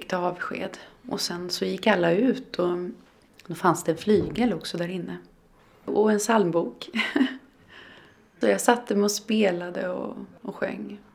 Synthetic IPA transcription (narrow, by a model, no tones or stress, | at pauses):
ɪkt̪əɑːvɧḛːd̪ɔ̰sɛnsɔjɪkːalːaʉ̟ːt̪ɔ | d̪oːfansd̪ɛɛnflyːɡɛlɔksɔd̪æɾɪnːə | ɔɛnsalmbuːk | sɔjaːsat̪ːəmɛɔspeːlad̪əɔ̰ɔɧœ̰ŋː